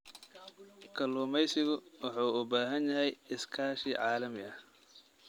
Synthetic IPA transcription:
kʰɐluːmɛjsɪɣʊwɑħuːʊbaːɦɐnjɐɦɛjɪskʰaːʃiːʕɑːlɐmɪɐh

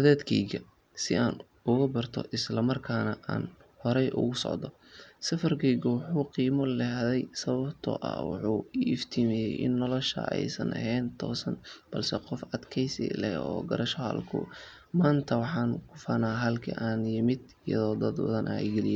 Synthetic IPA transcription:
d̪ɐðɛːd̪kʰɛjɣɐ | sɪaːn | ʊɣɐbɐrt̪ʰɔ̰ʔɪslɐmɐrkʰaːnɐʔa̰ːn | hɔɾɛjʔʊ̰ɣʊsɔ̰ʕd̪ɔ | sɐfɐrkʰɛjɡɔwɑħuːqiːmɔlɛɦðɛjsɐβɐbt̪ʰɔ̰ʔɐ̰wɑ̰ħuːɪft̪ʰimɛjɛjʔɪ̰nːɔlɔʃɐ̰ɛ̰jsɐ̰nʔɐ̰ɦɛːnt̪ʰɔ̰ːsɐnb̥ɐlsɛqɔfɐd̪kʰɛjsḭlɛhɔ̰ːɡɐɾɐʃɐɦɐ̰lkʰʊ̰ | maːnt̪ʰɐwɑħɑːnkʰʊfɐnaːɦɐlkʰɐ̰ʔaːnjɪmɪd̪ɪjɐ̰ðɔːd̪ɐd̪wɐ̰ðɐnʔajɡɛlɪjɛ

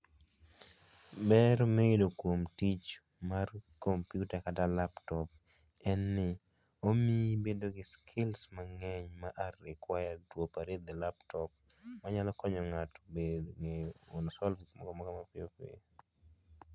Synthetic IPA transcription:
bɛɾmeedokwomtit͡ʃ | markompjutakatalaptɔp̚ | ɛnːɪ | omibedoɡɪskʰɪlsmaŋɛɲmaʔarɪkwajadwopaɾed̪ɛlaptɔp̚maɲalɔkɔɲɔŋatobedŋeonsɔlfikmɔkɔmɔkɔmapɪopḛ

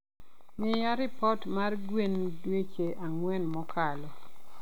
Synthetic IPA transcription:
mɪjaɾɪpɔtmarɡwendwet͡ʃeʔaŋwɛnmɔkʰalɔ

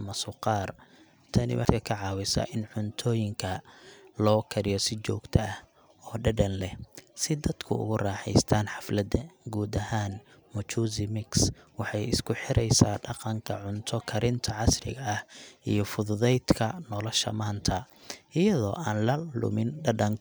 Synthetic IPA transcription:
ɐmɐsʊqɑːr | t̪ʰɐnɪ̰wɐ̰d̪kʰɐkʰɐʕɑːwɪsɐ̰ʔɪnʕʊnt̪ʰɔːjɪŋkʰɐlɔːkʰɐɾɪjɔsɪt͡ʃɔːɡt̪ʰɐɐh | ɔːɖɐɖɐnlɛhsɪd̪ɐd̪kʰʊʊ̰ɣʊraːħɛ̰jst̪ʰaːnħɑflɐd̪ɐɡuːd̪ɐhaːn | mʊt͡ʃuːzɪmɪkswɑħɑjɪskʰʊħɪɾɛjsaːɖɑqɑŋkʰɐ̰ʕʊnt̪ʰɔkʰɐɾɪnt̪ʰɐʕɑsrɪ̰ɣɐːhʔijɔfʊðʊðɛjd̪kʰɐnɔlɔʃɐ̰maːnt̪ʰɐ | ɪjɐðɔːʔaːnlɐlʊ̰mɪnɖɐɖɐŋ

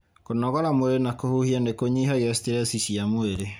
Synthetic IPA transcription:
konɔɣɔɾamoeɾenakohuhianekoɲiɦajɛsteɾɛsisiamoeɾe

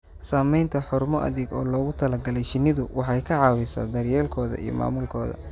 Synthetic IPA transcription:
saːmɛjnt̪ʰɐħʊrmɔʔɐ̰ðɪɡɔːlɔːɣʊt̪ʰɐlɐɡɐlɛjʃɪnɪðʊwɑħɑjkʰɐʕɑːwɪsɐ̰d̪ɐrjɛːlkʰɔːðɐ̰ḭjɔ̰ma̰ːmʊlkʰɔːðɐ̰

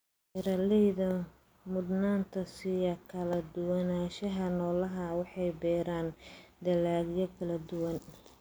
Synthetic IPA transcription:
ʔɪɾɐlɛjðɐ | mʊd̪naːnt̪ʰɐsɪjɐkʰɐlɐd̪ʊwɐnaːʃɐɦɐnɔːlɐɦɐwɑħɑjbɛːɾaːnd̪ɐlaːɡjɔkʰɐlɐd̪ʊwɐn

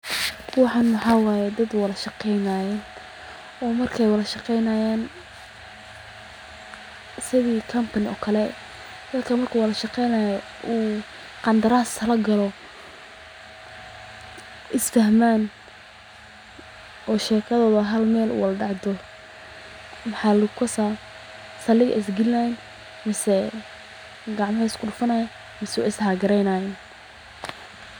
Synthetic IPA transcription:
uwɑħɑnmʊħɑːwaːjɛd̪ɐd̪wɑlɐʃɑqɛjnaːjɛ | ɔːmɐrkʰɛjwɐlɐʃɑqɛjnajaːn | sɪðiːkʰɐmpʰɐnɪɔ̰ːkʰɐlɛ | d̪̥ɐd̪kʰɐmɐrkʰuwɐlɐʃɑqɛjnaːjɔ | ʔuː | qɑnd̪ɐɾaːslɐɡɐlɔ | ʔɪsfɐhmaːn | ʔɔːʃɛːkʰɐðɔːðɐɦɐlmɛːlʔṵwɑlɖɑʕd̪ɔ | mɑħɑlʊkʰɐsaː | sɐlɪɣɐ̰ʔɪs̬ɡɪlːan | mɪsɛ | ɡɑʕmɐhɛskʰʊɖʊfɐnajɐ | mɪsɪshaɡɐɾɛjnaːjɛn

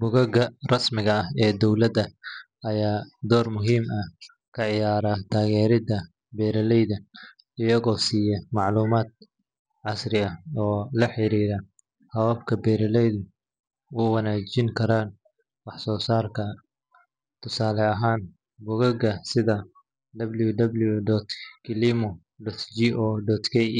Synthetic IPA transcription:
bʊɣɐɣɐrɐsmɪɣɐɐhɛːd̪ɔwlɐd̪ɐ | ɐjaːd̪ɔːrmʊɦiːmɐh | kʰɐʕɪjaːɾat̪ʰaːɣɛːɾɪd̪ɐ | bɛːɾɐlɛjðɐ | ɪjɐɣɔːsiːjɛmɑʕluːmaːd̪̚ | ʕɑsrɪɐɔːlɐħɪɾiːɾɐ | hɐwaːbkʰɐbɛjɾɐlɛjðʊ | ʊwɑnaːt͡ʃɪŋkʰɐɾaːn | wɑħsɔːsaːrkʰɐ | t̪ʰʊsaːlɛɐɦaːn | bʊɣɐɡɐsɪðɐ | d̪ɐbljʊd̪ɐbljud̪ɔt̪kɪlimɔ | dɔt̪d͡ʒiʔɔːdɔt̪kʰɛj

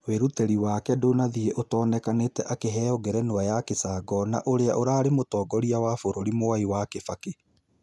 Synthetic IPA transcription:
weɾutɛɾiwaːkɛdonaðieʔotɔːnɛkanetɛʔakeɦɛɔɡɛɾɛnoajakesaːɡɔna̰ʔoɾeaʔoɾaːɾemotɔːɡɔɾiawafoɾoɾimoaiwakefake

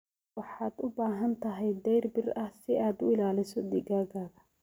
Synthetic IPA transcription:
wɑħɑːd̪ʊbaːɦɐnt̪ʰɐɦɛjd̪ɛjrbɪrɐhsɪaːd̪ʊɪlaːlɪsɔd̪ɪɡaːɡaːɣɐ

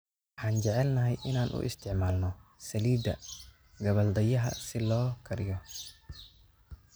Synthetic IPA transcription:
wɑħaːnt͡ʃɛʕɛlnɐɦɛjʔɪnaːnʔʊ̰ʔɪ̰st̪ʰɪʕmaːlnɔsɐliːd̪ɐ | ɡɐβɐld̪ɐjɐɦɐ̰sɪlɔːkʰɐɾɪjɔ

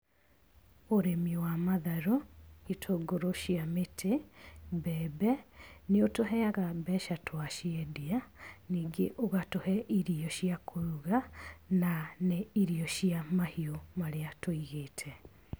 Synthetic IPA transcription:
oɾemiwamaðaɾoitʰoɡoɾoɕiametʰebɛːbɛneotoɦɛaɣabɛʃatwaʃiɛdianiːŋɡeʔoɣatohɛʔiɾiɔɕiakʰoɾuɣananeiɾiɔɕiamahiomaɾeatoiɣeːtʰɛ

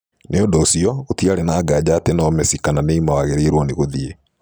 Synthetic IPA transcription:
neondoːsiɔotiaɾenaːɡad͡ʑaːtenɔmɛsikananeimawaɣeɾeɾwɔneɣoðie

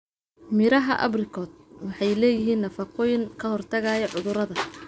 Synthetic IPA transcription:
mɪɾɐɦɐʔɐ̰brɪkʰɔːd̪̚wɑħɑjlɛːjɪɦiːnːɐfɑqʰɔːjɪŋkʰɐhɔrt̪ʰɐɣaːjɐʕʊðʊɾɐðɐ

